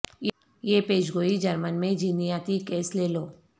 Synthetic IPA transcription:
j | jeːpeːd͡ʒɡoːid͡ʒəɾmənmẽd͡ʒinijaːt̪ikeːsleːloː

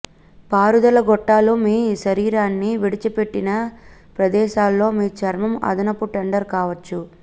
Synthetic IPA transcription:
paːɾud̪ɐlɐɡɔʈːaːloːmiːʃɐɾiːɾaːnːiʋiɽit͡ʃɐpe̞ʈːinɐpɾɐd̪ɛːʃaːlːo̞ːmiːt͡ʃɐɾmɐmɐ̰d̪ɐnɐpːuʈɐɳɖɐɾkaːʋɐt͡ʃːu

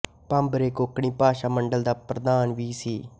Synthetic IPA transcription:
pãmbɾeːkoːkɽĩːpaːʃaːməɳɖəld̪aːpɾəd̪aːnʋiːsiː

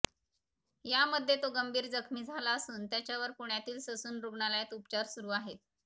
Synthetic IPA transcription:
jaməd̪ʱjet̪oɡəmbʱiːɾd͡zəkʰmiːd͡zʱalaəsuːnt̪jat͡ɕjaʋəɾkuɳjat̪iːlsəsuːnɾuɡɳaljat̪upt͡ɕaɾsuɾuːaɦet̪

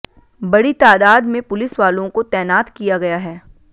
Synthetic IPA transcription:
bɐɽit̪aːd̪aːd̪mẽpʊlɪsʋaːlõkot̪ɛːnaːt̪kijaɡɐjaɦɛː

